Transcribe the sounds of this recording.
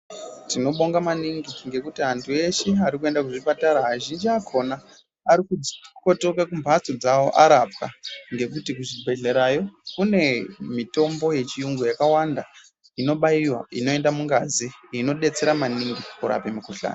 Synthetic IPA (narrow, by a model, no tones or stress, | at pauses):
tino̞ɓo̞ŋɡamaniŋɡiŋɡe̞kutiɦantʰue̞ʃeaɾikue̞ndak̬uʐipataɾaɦaʒind͡ʒiakʰo̞naː | ɾikuko̞to̞kakumbʱat͡sod͡zawo̞ʔaɾapkaŋɡe̞k̬utikuʐibʱe̞ɮe̞ɾajo̞kune̞mito̞mbo̞je̞t͡ʃijuŋɡojakawanda | ino̞ɓaiwa̰ino̞e̞ndamuŋɡaziino̞ɗe̞t͡se̞ɾamaniŋɡikuɾa̰pemikoɬa̰ːno